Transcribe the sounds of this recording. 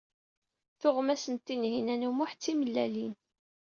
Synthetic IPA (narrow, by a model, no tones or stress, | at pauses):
θʊʁmæsənt̪ːinɦinænumʊħt͡sːiməlːælin